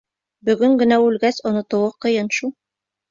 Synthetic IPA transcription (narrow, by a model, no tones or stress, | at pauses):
bɵ̆ɡɵŋɡɘ̆næʉlɡæsŏnŏt̪ŏwɤqɤ̆jɤnʃulˠ